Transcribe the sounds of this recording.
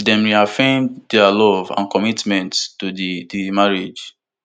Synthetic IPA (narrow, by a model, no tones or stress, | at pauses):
dɛ̃mɹiafẽmdɛalɔvã̰nkɔmitmɛ̃nttudidimaɹid͡ʒ